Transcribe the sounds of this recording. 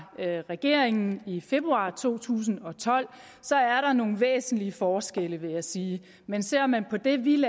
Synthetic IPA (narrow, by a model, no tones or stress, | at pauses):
ʁɛɡ̥e̝ɐ̰eŋn̩ife̝b̥ʁuɑ̰̈ːt͡sʰo̝̰ːt͡sʰṵːs̬n̩ɒ̽t͡sʰɒ̽l̰ | sɒ̽æɐɾɑ̈no̝ːn̩ʋḛːsn̩liəfɒːsɡ̥eləʋe̝jɑ̈ɪsiː | mensel̰ɒ̽mːænpʰɒ̽d̥e̝ʋil